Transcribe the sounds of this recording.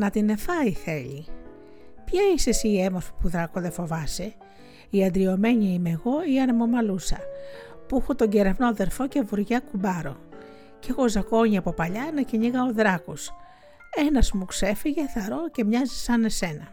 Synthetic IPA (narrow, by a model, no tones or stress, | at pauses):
nɐt̪ine̞fɐiθe̞ʎi | pçɐisesiːe̞mofi̥puðɾɐkoðe̞fo̞vɐse̞ | iɐnd̪ɾio̞me̞ɲiimeɣo̞iɐnemomɐlusɐpuixot̪o̞ɲɟe̞ɾevno̞ðe̞ɾfo̞ce̞vuɾʝɐkubɐɾo̞̰ | ceɣo̞zɐko̞ɲiɐpo̞pɐʎɐenɐceɲiɣɐoðɾɐkos | e̞nɐzmukse̞fiʝe̞θɐɾo̞ce̞mɲɐzisɐne̞se̞nɐ